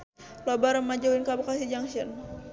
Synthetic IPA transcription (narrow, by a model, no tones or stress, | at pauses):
labaɾəmad͡ʒawinkabakasid͡ʒaŋʃən